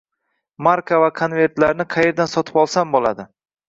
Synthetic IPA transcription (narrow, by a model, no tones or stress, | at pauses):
maɾkʰavakʰonve̞ɾt̪laɾnɪqʰɑje̞ɾd̪ansɒt̪ʰɪ̥pɒlˠsambolˠa̰d̪ɪ